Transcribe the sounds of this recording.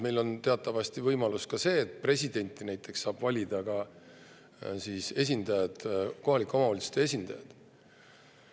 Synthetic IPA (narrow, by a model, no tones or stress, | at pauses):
me̞jlo̞nt̪eɑt̪ːˑɑvɑsʲt̪ivɤjmɑluskɑse̞ːt̪̚pre̞sʲid̪e̞nʲt̪ːˑinæjt̪ːˑe̞ksːɑːb̥vɑlʲid̪̥ɑkɑ | siːse̞s̬ʲind̪̥ɑjɑd̪̥ko̞ɦɑlikːˑo̞mɑɑlist̪ees̬ʲind̪̥ɑjɑd̪̥